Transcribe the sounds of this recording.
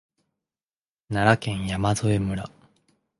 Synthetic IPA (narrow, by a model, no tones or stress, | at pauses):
naɾakẽ̞ɰ̃jamazo̞e̞mɯ̟ɾa